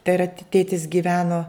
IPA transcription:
tʲɛ rɐ ˈtʲeːtʲɪs ɡʲiːˈʋʲæːnoː

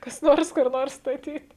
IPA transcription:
kɐs ˈnoːrs kʊr ˈnoːrs stɐˈtʲiːt

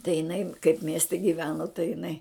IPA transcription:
tɐɪ jɪˈnɐɪ kɐɪp ˈmʲiɛsʲtʲɛ ɡʲiːˈʋʲæːnoː tɐɪ jɪˈnɐɪ

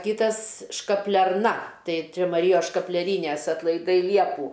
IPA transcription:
ˈkʲiːtɐs ʃkɐpʲlʲɛrˈnɐ ˈtɐɪ ˈt͡ʃʲɛ mɐˈrʲiːjoːs ʃkɐpʲlʲɛˈrʲiːnʲɛs ɐtlˠɐɪˈdɐɪ ˈlʲiɛpuː

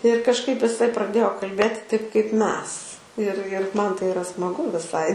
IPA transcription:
ɪr kɐʃˈkɐɪp ɪˈsɐɪ prɐˈdʲeːjoː kɐlʲˈbʲeːtʲɪ tɐɪp kɐɪp ˈmʲɛs ɪr ɪr ˈmɐn tɐɪ ɪˈrɐ smɐˈɡʊ ʋʲɪˈsɐɪ

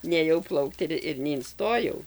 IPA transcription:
nʲeːˈjɛʊ ˈplˠɐʊkt ɪr ɪr nʲɛɪnˈstoːjɛʊ

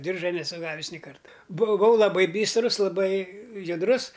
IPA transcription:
ˈdʲɪrʒɐ nʲɛˈsʊ ˈɡɑːʋʲɪs nʲɪ ˈkɐrtɐ bʊˈʋɐʊ lˠɐˈbɐɪ ˈbʲiːstrʊs lˠɐˈbɐɪ jʊdˈrʊs

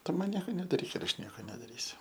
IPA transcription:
ˈtʊ ˈmɐn ˈnʲiɛkoː nʲɛdɐˈrʲiːk ɪr ˈɐʃ ˈnʲiɛkoː nʲɛdɐˈrʲiːsʲʊ

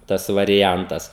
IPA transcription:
ˈtɐs ʋɐrʲɪˈjɛntɐs

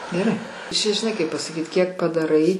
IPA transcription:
ɡʲɛˈrɐɪ t͡ʃʲɛ ʒʲɪˈnɐɪ kɐɪp pɐsɐˈkʲiːt kʲiɛk pɐdɐˈrɐɪ

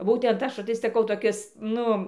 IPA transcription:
ˈbuːtʲɛnt ˈɐʃ tɐɪ sɐˈkɐʊ toːˈkʲɪs ˈnʊ

